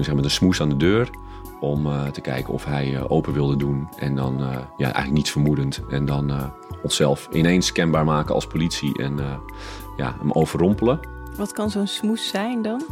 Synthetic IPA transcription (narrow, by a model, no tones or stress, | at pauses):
sɛxmatənsmusaːndədøːr | ɔmtəkɛ̰jkənɔ̰fɦɛjʔoːpəʋɪlˠdədunʔɛ̰ndɔnja̰ʔɛ̰jɣŋlək̚nitsfərmudəntɛndɔn | ɔnsɛlˠfʔɪ̰nenskɛnbaːɹmaːkəɑ̰lˠspolitsiʔɛ̰n | ja̰ə̰mowv̥ərɔmpəlˠə | ʋɔtkɑnzoːnsmusɛjndɔn